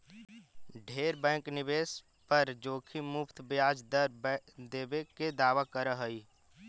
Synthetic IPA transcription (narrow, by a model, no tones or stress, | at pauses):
ɖʱeːɾbɛ̃ːknɪʋeːs | pəɾd͡ʒoːkʰimʊpʰt̪ʰbɪjaːd͡ʒd̪ | d̪eːbeked̪aːʋakəɾəɦəiː